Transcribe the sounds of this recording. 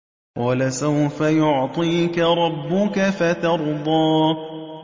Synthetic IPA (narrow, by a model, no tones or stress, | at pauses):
qɑɑːlasawfajʊʕt̪ˤiːkaɾˤɑbːʊkafat̪ɑɾˤd̪ˤɑː